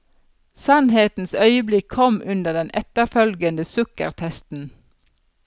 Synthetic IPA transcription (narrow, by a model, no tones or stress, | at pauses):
sɑnheːt̪n̩sœʏəblɪkʰɔmʉnd̪əʁd̪ɛnʔɛt̪əfœlɡənd̪əsʉkə̰ʁt̪ʰɛst̪n̩